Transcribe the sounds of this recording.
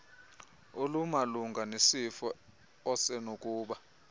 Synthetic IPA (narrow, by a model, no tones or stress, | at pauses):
olumaluŋɡʱanesifɔ | ɔsɛnokʼuːɓa